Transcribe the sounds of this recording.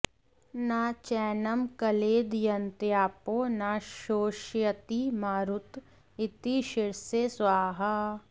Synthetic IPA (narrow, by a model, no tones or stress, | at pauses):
nat͡ʃɛːnɐmkɐleːd̪jɐnt̪jaːpoːnaʃoːʃjət̪imaːɾut̪ | ɪt̪iʃɪɾsesaːɦa